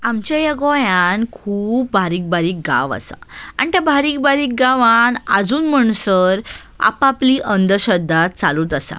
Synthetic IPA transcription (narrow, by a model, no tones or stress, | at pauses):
amt͡ɕajəɡɔjankʰuːp̚baɾiːk̚baɾiːk̚ɡa̰ʋa̰sa̰a̰ɳ̃it̪jabʱaɾiːk̚baɾiːk̚ɡaʋana̰d͡zuːnməɳsəɾ | a̰papliʔənd̪əɕəd̪ʱːat̪̚t͡saluːt̪əsã̰